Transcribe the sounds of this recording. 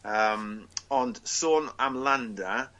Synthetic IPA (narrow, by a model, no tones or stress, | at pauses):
əmɔnd̥soːnamlanda